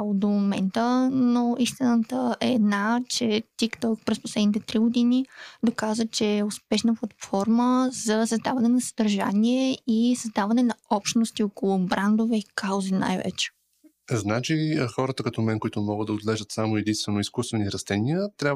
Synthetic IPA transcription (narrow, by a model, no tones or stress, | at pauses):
od̪omomɛ̰nt̪ənoist̪inət̪əʔɛːd̪nat͡ʃɛt̪ikt̪ɔlˠk̚pɾɛspo̥slɛd̪nit̪ɛt̪ɾiɡʊd̪inid̪okazvət͡ʃɛːʊspɛʃnəplˠɐt̪fɔɾməzɐsəzd̪avɐnɛnɐsəd̪ɐɾʒa̰nʲiɛisəzd̪avɐnɛnɐɔpʃt̪nost̪iokolˠʊbɾand̪ovɛikawzina̰jvɛ̰t͡ʃɛ̥ | znat͡ʃixɔɾət̪əkɐt̪ɔmɛnkoit̪ʊmɔɡəd̪d̪ɐod̪lɛʒət̪samoɛd̪inst̪vɛnoiskust̪vɛniɾɐst̪ɛniət̪ɾʲa